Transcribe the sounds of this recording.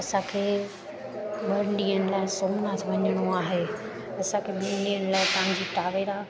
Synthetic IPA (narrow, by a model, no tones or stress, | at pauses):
ɐsãkʰeː | ɓɐɾɪɳɗiːəñɪ̆laːɪsoːmnat̪ʰʋɐɲəɽ̃oaːɦeː | ɐsãkʰeːɓiə̃ɗiːənɪlaːɪt̪ɐʋ̤ãɲd͡ʑiːt̪aːʋeɾa